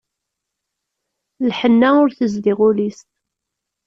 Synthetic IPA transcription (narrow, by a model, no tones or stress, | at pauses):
lħənːæʊɾθəzliʁulist̪